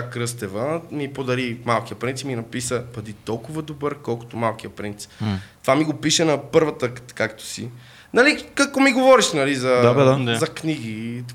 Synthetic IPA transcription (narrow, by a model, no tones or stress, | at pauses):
akɾɤst̪ɛvəmipod̪ɐɾimalˠkijəpɾint̪ipminɐpisəpɐd̪it̪ɔlˠkʊvɐd̪obəɾkɔlˠko̥t̪omalˠkijəpɾint̪si̥pt̪ovamiɡopiʃɛnɐpɤɾvət̪əkakt̪o̥sḭ | nɐlikakɔmiɡovɔɾiʃnɐlizɐaaaazɐkniɡ̟i